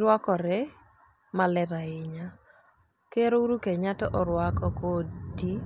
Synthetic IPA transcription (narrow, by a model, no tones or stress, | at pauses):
ɾwakɔɾɛ | malɛɾaɪɲa | keɾouɾukeɲatɔʔɔɾwakɔkodi